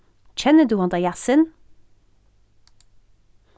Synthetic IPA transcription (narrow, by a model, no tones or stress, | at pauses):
c͡çʰɛnəd̪ʉːɑnd̪ɑjæsən